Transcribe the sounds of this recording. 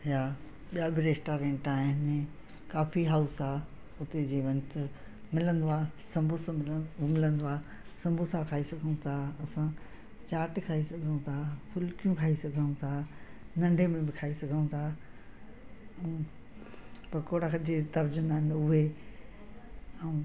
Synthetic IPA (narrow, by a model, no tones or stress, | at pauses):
ɦɪja | ɓijabɪɾeːsʈaːɾẽːɳʈaːɦɪnɪ | kaːfiɦaːʊsaː | ʊt̪ed͡ʑeːʋɐ̃nt̪ | mɪlə̃nd̪oaːsɐ̃mbʱʊsmɪlə̃nd̪oaː | sɐ̃mbʱʊsakʰaːisɐɡʱəũt̪ʰaːɐsã | t͡ɕaːʈkʰaːisɐɡʱəũt̪ʰaːpʰʊlkijũkʰaːisɐɡʱəũt̪ʰanɐ̃ɳɖʱemẽbɪkʰaːisɐɡʱə̃ũt̪ʰaː | pɐkoːɽad͡ʑet̪ɐɾd͡ʑʊnaːɦɪnʊɦe | ɛũ